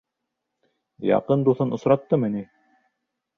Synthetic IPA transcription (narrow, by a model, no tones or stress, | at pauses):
jɑ̰qɤnd̪uθɤnŏsɾɑt̪ːɤmɘ̆ni